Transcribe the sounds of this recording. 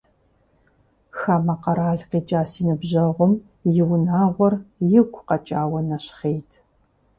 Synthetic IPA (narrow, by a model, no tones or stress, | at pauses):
xaːmɐqɐɾaːɮqiːt͡ʃʼaːsiːnɨbʑɐʁʷʊm | jɪwnaːʁʷɔrjɪɡʷʰqɐt͡ʃʼaːwɐnɐɕχeːjtʰ